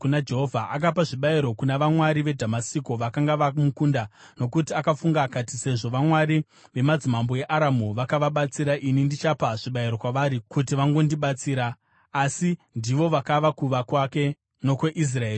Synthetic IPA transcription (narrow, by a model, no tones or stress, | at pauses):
kunad͡ʒe̞ɦovʱaʔak̬apaʐiɓaiɾo̞kunaʋamwaɾiʋe̞dʱamasikoʋakaŋɡaʋamukunda | no̞kutiakafuŋɡaːkatise̞ʐo̞ʋamwaɾi | ʋe̞mad͡zimamboe̞ʔaɾamuʋakaʋaɓat͡siɾaʔinindit͡ʃapaʐ̥iɓaiɾo̞kwaʋaɾikutiʋaŋɡo̞ndiɓat͡siːɾaː | sindiʋo̞ʋakaʋakuʋakwake̞ | no̞kweʔis̬raeːri